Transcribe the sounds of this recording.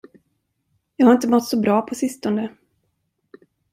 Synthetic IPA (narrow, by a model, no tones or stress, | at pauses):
jɑːɡhaɾɪnt̪əmɔt̪ːsɔbɾɑːpʰɔsɪst̪ɔnd̪ə